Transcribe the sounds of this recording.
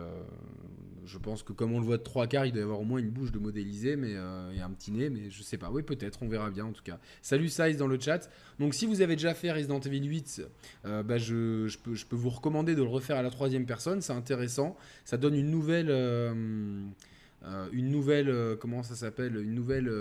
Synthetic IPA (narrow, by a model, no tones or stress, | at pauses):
ø̰ | ʒəpɑ̃skəkɔmɔ̃ləvwad̪ət̪χwakaʁild̪wajavwaʁomwɛ̃ynbuʃd̪əmɔd̪elizemɛøeɛ̃pət̪ʰinemɛʒəsɛpa̰wɛpøt̪ɛt̪χɔ̃vɛʁabjɛ̃ɑ̃t̪u̥ka | salysajzd̪ɑ̃lət͡ʃat̪ | d̪ɔ̃ksivuzaved̪eʒafɛʁezid̪ɑ̃t̪vilɥit̪øbaʒəʒəpøʒəpøvuʁəkɔmɑ̃d̪ed̪ələʁəfɛʁalat̪χwazjɛmpɛʁsɔnsɛɛ̃t̪̬eʁɛsɑ̃ | sad̪ɔnynːuvɛløm | øynːuvɛløkɔmɑ̃s̬asapɛlynːuvɛlø